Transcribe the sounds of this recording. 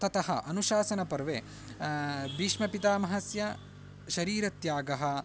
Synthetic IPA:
t̪ɐt̪ɐɦɐʔɐnuʃaːsɐnɐpɐɾʋeː | biːʂmɐpit̪aːmɐɦɐsjɐ | ʃɐɾiːɾɐt̪jaːɡɐɦɐ̆

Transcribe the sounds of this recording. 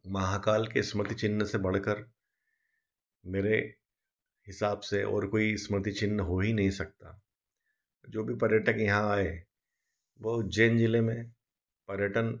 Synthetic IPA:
maːɦakaːlkesmət̪it͡ʃɪnːsebɐɽ̤kəɾ | meːɾe | hɪsaːbseʔɔ̰ːɾkoːismɾət̪it͡ʃɪnːɦoːɦinɐɦĩsɐk̚t̪aː | d͡ʒoːbʱipɐɾjəʈəkjɐɦãaːe | ʋoːd͡ʒeːnd͡ʒɪlemẽ | pɐɾjəʈən

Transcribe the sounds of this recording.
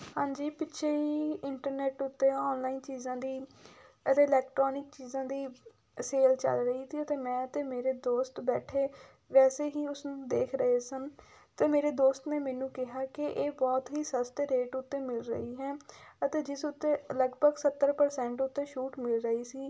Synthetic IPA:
hãːɲd͡ʒiːpɪtːʃʰeːɦiːɪɳʈəɾnɛːʈʊt̪ːeːɔːnlaːiːnt͡ʃiːzãːd̪iː | ət̪eːɪlɛːkʈɾɔːnɪk̚t͡ʃiːzãːd̪iː | seːlt͡ʃə̰lɾəɦiːsiːət̪eːmɛ̃ːət̪eːmeːɾeːd̪oːst̪bɛːʈʰeː | ʋɛːseːɦiːʊsnũːd̪eːkʰɾəɦeːsən | t̪eːmeːɾeːd̪oːst̪neːmɛ̃ːnũːkɪɦaːkɪʔeːbɔːt̪ɦiːsəst̪ɾeːʈʊt̪ːeːmɪlɾə̰ɦiːɦɛːət̪eːd͡ʒɪsʊt̪ːeːləɡbʱəɡsət̪ːəɾpəɾsɛ̃ːɳʈʊt̪ːeːʃuːʈmɪlɾəɦiːsiː

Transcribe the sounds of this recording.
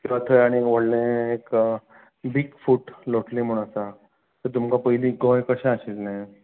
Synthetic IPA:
kĩʋat̪ʰojaɽ̃iʋəɽlẽek | biɡfuːʈloʈlim̤oɽ̃asa | t̪əɾt̪umkapəɦiliɡɔ̃jkəɕãaɕelnaj

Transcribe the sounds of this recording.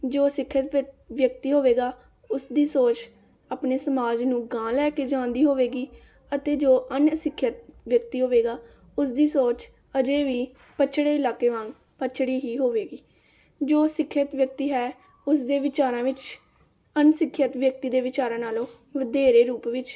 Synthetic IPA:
d͡ʒoːsɪkʰːət̪ʋjək̚t̪iːɦoːʋeːɡaː | ʊsd̪iːsoːt͡ʃ | aːpneːsəmaːd͡ʒnũːɡãːlɛːkeːd͡ʒãːnd̪iːɦoːʋeːɡiː | ət̪eːd͡ʒoːʔənsɪkʰːjət̪̚ʋjəkt̪iːɦoːʋeːɡaː | ʊsd̪iːsoːt͡ʃ | əd͡ʒeːʋiː | pət͡ʃʰɽeːɪlaːkeːʋãːŋɡ | pət͡ʃʰɽiːɦiːɦoːʋeːɡiː | d͡ʒoːsɪkʰːət̪ʋjək̚t̪iːɦɛː | ʊsd̪eːʋɪt͡ʃaːɾãːʋɪt͡ʃ | ənsɪkʰːjət̪ʋjək̚t̪iːd̪eːʋɪt͡ʃaːɾãːnaːloː | ʋəd̪eːɾeːɾuːpʋɪt͡ʃ

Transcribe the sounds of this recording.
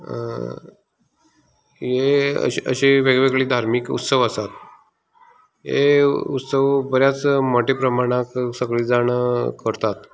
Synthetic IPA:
jeə̰ə̰ɕiʋeɡʋeɡɭiːd̪ʱaɾmikṵt̪səʋəsat̪̚ | ɦḛut̪səʋbəɾjat͡smɔʈepɾəmaɽ̃aksəɡɭiːd͡zaɳ̃əkəɾt̪at̪

